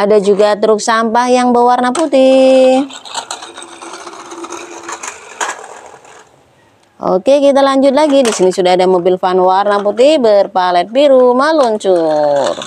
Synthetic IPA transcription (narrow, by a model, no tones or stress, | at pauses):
adad͡ʒuɡat̪əɾuk̚sampahjaŋbəwarnaput̪i | ʔo̰kɛkit̪̬alaɲd͡ʒut̪̚laɡidisinisudaɦadamobilfanwarnaput̪̬ihbərpalɛt̪̚biɾumaluɲt͡ʃur